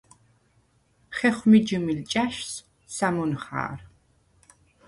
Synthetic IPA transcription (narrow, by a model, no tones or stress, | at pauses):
χɛχʷmid͡ʒɨmilt͡ʃʼaʃs | samɔnχa̰ːr